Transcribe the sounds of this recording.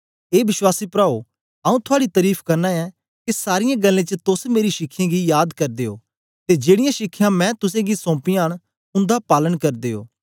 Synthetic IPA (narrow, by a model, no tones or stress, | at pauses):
eːʋɪʃwaːsipɾaːo | ɐũt̪ʰʊaːɽit̪ɐɾiːpʰkɐɾnãːɛ | kisaːɾɪjãɡɐlːẽːt͡ʃət̪ʊsmeːɾiʃɪkʰːɪjãɡijaːd̪kɐɾd̪eːo̰ː | t̪ed͡ʒeːɽɪjãʃɪkʰːjãmɛ̃ːt̪ʊsẽɡisɔ̃ːpɪjãɽ | ʊ̃nd̪apaːlənkɐɾd̪eːo̰ː